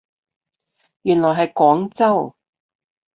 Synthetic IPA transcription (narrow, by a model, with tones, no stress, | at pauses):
jyː˨˩nlɔː˨˩jɦɐ˨jkɔː˨˥ŋt͡sɐ˥w